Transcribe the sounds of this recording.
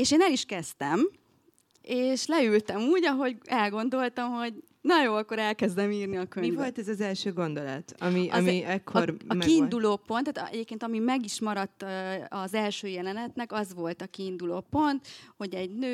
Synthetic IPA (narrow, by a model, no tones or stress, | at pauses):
eːʃeːnɛliʃkɛst̪ɛm | eːʃlɛylt̪ɛmuːɟɒɦo̞ɟɛlɡo̞nd̪o̞lt̪ɒmɦo̞ɟ | nɒjoːɒkːo̞ɾɛlkɛzd̪ɛmiːrniɒkøɲmivvolt̪ɛzɒzɛlʃøːɡo̞nd̪ol̰t̪ɒmiʔmiɛkʰːormkiːnd̪uloːpo̞nt̪ːæːt̪ɛ̰ɟeːpkeːnt̪ɒmimɛɡiʃmɒɾɒt̪ːɒzɛlʃøːjɛlɛnɛt̪nɛkɒzʋo̞lt̪ɒkiːnd̪uloːpo̞nt̪ho̞ɟɛɟnøː